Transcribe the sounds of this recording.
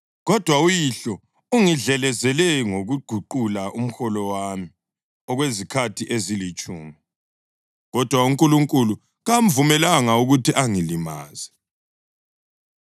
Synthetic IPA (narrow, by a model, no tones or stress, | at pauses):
ɣɔd̥ʱwaujiɬɔ | uŋiɮɛlɛzɛlɛŋoɣuɡ͡ǃ̥ʱuǃulaʔum̩xɔlɔwami | ɔɣwezikʰatʰiʔezilit͡ʃʼuːmi | ɣɔd̥ʱwauŋkʼuluŋkʼulu | ɣam̩vumɛlaŋauɣutʰiʔaŋilima̰ːzɛ